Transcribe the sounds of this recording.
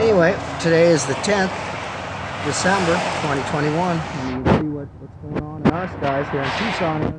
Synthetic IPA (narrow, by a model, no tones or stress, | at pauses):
ɛniweɪtʰɨɾeɪɨzðɨtʰɛ̃nθ | d̥ɨsɛ̃mbə˞tʰw̥ɛ̃ɾ̃itʰw̥ɛ̃ɾ̃iwʌ̃nĩnsiwʌt̚wə˞tə̃nə̃nɨ̃naəstaɪz̥ðəɹɨ̃ntʰʉsɑ̃ŋə